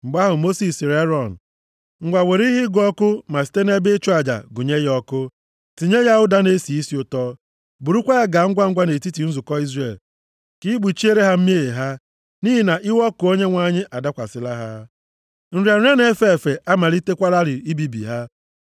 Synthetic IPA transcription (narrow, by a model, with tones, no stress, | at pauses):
ŋ͡m̩˨ɡ͡ba˦ɦʊ˨mo˦si˨si˨ɾe˦ɾɔ˨n̩˨ | ŋ̩˨ɡʷa˨we˨ɾi˦ɦɪ˦ɡʊ˨ɔ˦kʊ˦ma˨si̥˨˦te˦ne˦bɪ˦t͡ʃʊ˦a˨d͡ʒa̰˨ɡʊ˨ɲe˦jɔ˦kʊ˦ | ti˨ɲe˦ja˦ʊ˦da˦ne˦si˨i˦si˦ʊ˦tɔ˦ | bu˨ɾu˦kʷa˦ja˦ɡa˨˦ŋ̩˦ɡʷa˦ŋ̩˦ɡʷa˦ne˨ti˦ti˨n̩˦zʊ˨kɔ˦i˦zre˨l | ki˦ɡ͡bu˨t͡ʃi˦e˦ɾe˦ɦa˦m̩˦m˦e˦˨e˨ɦa˦ | ni˦ɦi˦na˨ʔɪ˦wɔ˦kʊ˨o˦ɲe˦ŋʷa˦˨ɲɪ˦ʔa˨da˦kʷa̰˨sɪ˦la˦ɦa˦ | n̩˦ɾi˨a˨˦e˦ne˦fe˦e˨fe˨ʔa˦ma˨ɾi˦te˦kʷa˦ɾa˦ɾɪ˨i˦bi˦bḭ˨ɦa˦